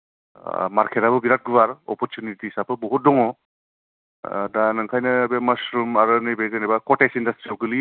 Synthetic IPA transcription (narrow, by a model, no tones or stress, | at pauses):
maɾkʰeɾabɯbiɾat̚ɡubaɾɔ̰pɔɾtjunitisapʰɯbɔɦut̚dɔŋɔ | danaŋkʰajnɯbemasɾumaɾɯnibezenajbakɔtesindastɾioɡɯli